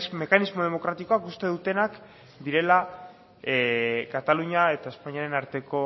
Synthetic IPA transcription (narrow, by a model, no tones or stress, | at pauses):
me̞kanizmo̞ð̞emo̞kɾat̪iko̞akust̪e̞ðut̪e̞nak | d̪iɾe̞la | kat̪aluɲae̞t̪aespaɲiaɾe̞naɾt̪e̞ko̞